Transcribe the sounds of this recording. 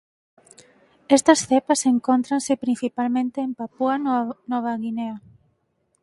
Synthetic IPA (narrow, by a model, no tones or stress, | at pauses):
est̪ɐsθepɐseŋkont̪ɾansepɾĩn̟θipalmẽnt̪eːmpapuanɔβ̞aɣineɐ